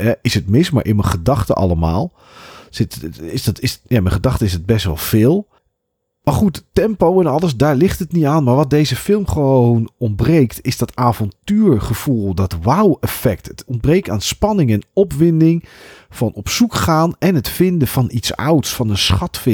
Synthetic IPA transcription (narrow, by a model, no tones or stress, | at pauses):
ɦɛɪsətmɪsma̰ɹʔɪ̰nməχədɑχtə̰ʔɑ̰ləma̰ːlˠ | sɪtɪsdtɪsjaːmɛnχədɑχtəɪsət̚bɛstʋɛ̰lˠfɪːlˠ | maɹχuttɛmpowɛnɑlˠəsdaːɹlɪχtətnitaːnmaɹʋɑt̚dejzəfɪlˠmχəʋownɔmbrejktʰɪzdɔtaːvɔntyːɹχəv̥ulˠdɔtʋawɛfɛk̚tətɔn̚breːk̚ta̰ːnspɑnɪŋɛnɔpʋɪndɪŋfɑnɔpsukχaːnɛnətfɪndəfɑnitsa̰wtsfɑnənsχɑtfɪ